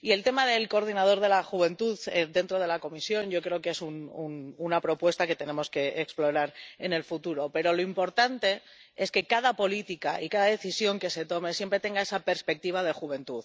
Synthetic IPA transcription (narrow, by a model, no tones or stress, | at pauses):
ie̞lt̪e̞maðe̞lko̞ɾð̞inað̞o̞ɾð̞e̞laxuβ̞e̞nt̪uðed̪e̞nt̪ɾo̞ð̞e̞lako̞misjo̞nʝo̞kɾe̞o̞kee̞sunununapɾo̞pwe̞st̪ake̞t̪e̞nẽ̞mo̞ske̞eksplo̞ɾaɾe̞ne̞lfut̪uɾo̞pe̞ɾo̞lo̞impo̞ɾt̪ant̪e̞ | eske̞kaðapo̞lit̪ikaʔḭkaðaðe̞θisjo̞ŋke̞se̞t̪o̞me̞sje̞mpɾe̞t̪e̞ŋɡae̞sape̞ɾspe̞k̚t̪iβ̞aðe̞xuβe̞nt̪uð